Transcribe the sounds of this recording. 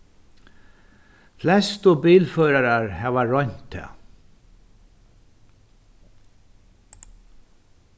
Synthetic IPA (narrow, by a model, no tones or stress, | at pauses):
flɛst̪ɔbiːlfœɾaɾaɹhɛːvaɹɔn̥t̪ʰːɛ̰ː